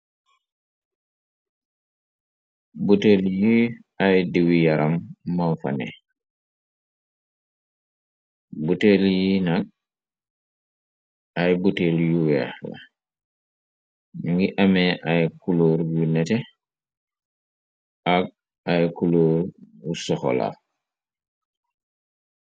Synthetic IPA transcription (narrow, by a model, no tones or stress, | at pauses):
buteljiʔajdiwijaɾamːawfa̰nɛ̰ | buteljinaɡ̚ | ajbuteljuwɛ̰xla̰ | ŋɡiʔamɛʔajkuloːɾjunɛtɛ | ʔaɡ̚ | ʔajkuloːɾwusɔxɔ̰la̰